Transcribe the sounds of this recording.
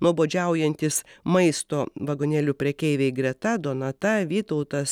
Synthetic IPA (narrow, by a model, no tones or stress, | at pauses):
nuɔboːd͡ʒʲɛˑʊjɛnʲt̪ʲɪsmɐɪst̪oːʋɐɡoːnʲɛːlʲupʲɾʲɛkʲɛɪʋʲɛɪɡɾʲɛt̪ɐd̪oːnɐt̪ɐʋʲiːt̪ɐʊt̪ɐs